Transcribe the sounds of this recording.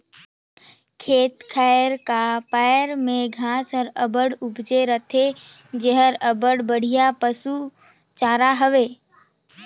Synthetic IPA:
kʰeːt̪kʰaɾkapaːəɾmẽɡʱaːsəɾəbəɽʊbd͡ʒeɾət̪ʰe | d͡ʒəɦəɾəbəɽbəɽ̤ijapəsu | t͡ʃaːɾaɦəʋeː

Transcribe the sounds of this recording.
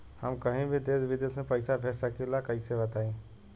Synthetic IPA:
həmkəɦĩbʱid̪eːsʋɪd̪eːsmẽpəɪsapʰɛːsakilakəiseʋət̪aːĩː

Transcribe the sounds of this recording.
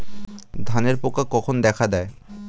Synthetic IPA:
d̪ʱaneɾpokakɔkʰond̪ɛkʰad̪ɛe

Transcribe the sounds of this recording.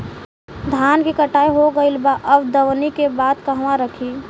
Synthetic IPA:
d̪ʱaːnkikəʈaːiɦoɡəilbaʔəbd̪ɐʋnikebaːd̪kɐɦʋãɾəkʰiː

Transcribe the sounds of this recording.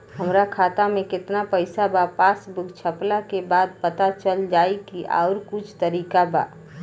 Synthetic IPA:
ɦəmɾakʰaːt̪amẽkɪt̪napəɪsabapaːsbʊɡt͡ʃʰəplakebaːd̪̚pət̪at͡ʃəld͡ʒaːikiʔa̰ːʊɾkʊt͡ʃʰt̪əɾiːkaba̰ː

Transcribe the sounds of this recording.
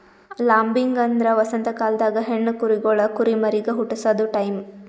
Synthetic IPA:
laːmbiŋɡɐnd̪ɾɐʋɐsɐnt̪ɐkaːld̪aːɡɐɦeɳːukuɾiɡɔɭɐkuɾimɐɾiɡeɦuʈːusɐd̪uʈɐjm

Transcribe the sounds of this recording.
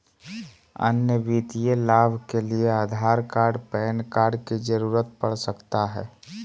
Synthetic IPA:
ə̰njəbit̪ijelaːbʱkelieaːd̪ʱaːɾkaːɾɖpɛːnkaːɾɖkid͡ʒəɾuːɾət̪̚pəɽsəkt̪aɦɛː

